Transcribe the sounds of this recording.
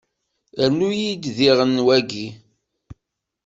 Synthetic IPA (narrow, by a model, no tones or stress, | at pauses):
ænujid̪ðiʁənːwæɡi